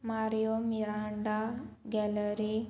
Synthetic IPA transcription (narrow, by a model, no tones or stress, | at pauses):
maɾijomiɾaɳɖaɡɛləɾi